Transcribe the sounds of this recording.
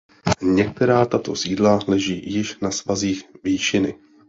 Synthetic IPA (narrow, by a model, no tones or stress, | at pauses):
ɲɛk̚t̪ɛɾaːt̪at̪o̞siːdlalɛʒiːjɪʃnasvaziːxviːʃɪnɪ